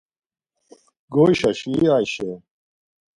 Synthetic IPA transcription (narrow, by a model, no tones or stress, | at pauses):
ɡoːiɕɐɕiaːjɕe